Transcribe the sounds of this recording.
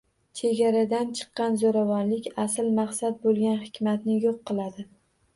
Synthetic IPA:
t͡ʃʰe̞ɡʲaɾad̪ant͡ʃʰɨ̥qːɑnzoɾavɒnlɪkʲasɪlmaχsat̪̚bolˠɡʲanhɪkʲmat̪nɪjoqːɨlˠad̪ɪ

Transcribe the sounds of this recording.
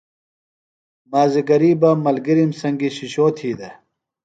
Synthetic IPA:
maːziɡɐɾiːbamɐlɡiɾimsɐŋɡiɕiɕoːt̪ʰiːd̪e

